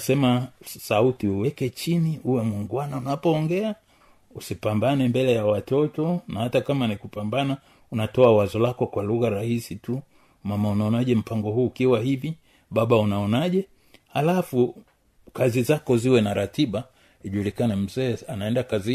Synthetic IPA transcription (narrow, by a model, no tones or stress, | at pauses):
asɛmasautiuwɛkɛt͡ʃiniuwɛmwiŋɡwanaunapɔːŋɡɛa | usipambanɛmbɛlɛjawatɔtɔnahatakamanikupambana | unatɔawazɔlakɔkwaluɣaɾahisitu | mamaunaɔnaʄɛm̩paŋɡɔhuːkiwahivi | ɓaɓaunaɔnaʄɛ | halafu | kazizakɔziwɛnaɾatiɓa | iʄulikanɛm̩zɛːanaɛndakazi